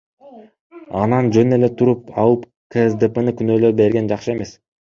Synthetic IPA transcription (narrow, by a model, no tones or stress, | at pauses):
ɑnɑnd͡ʒø̞ne̞le̞t̪ʰuɾup̚ɑlˠɯp | kʰesd̪epənikynøːløɾbe̞ɾɡe̞nd͡ʒɑχʃɯe̞me̞s